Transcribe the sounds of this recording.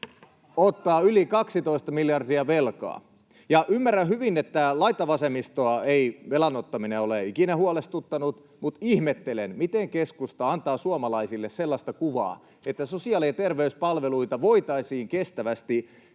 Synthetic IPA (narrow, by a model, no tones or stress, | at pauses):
ot̪ːɑːylikɑksit̪o̞ist̪ɑmiljɑrdiɑʋelkɑ̰ː | jɑʔymːæræhyʋinet̪ːælɑit̪ːɑʋɑsemist̪oɑeiʋelɑnot̪ːɑmineoleikinæɦuolest̪ut̪ːɑnut̪ | mut̪ihmet̪ːelenmit̪eŋkeskust̪ɑɑnt̪ɑːsuɑmɑlɑisilːesselːɑst̪ɑkuʋɑ̰ː | et̪ːæso̞siɑːliɑt̪erʋeyspɑlʋeluit̪ɑʋo̞it̪ɑisiːŋkest̪æʋæst̪i